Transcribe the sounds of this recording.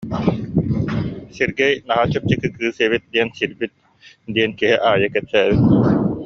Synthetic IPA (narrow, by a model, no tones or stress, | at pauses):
siɾɡejnɐɦaːt͡ʃɐp̚t͡ʃikːɯkɨːseːʋit̪̚d̪ijɐnsiɾbit̪̚ | d̪ijɐnkeɦeʔaːjɐkɛt̪ːæːɯ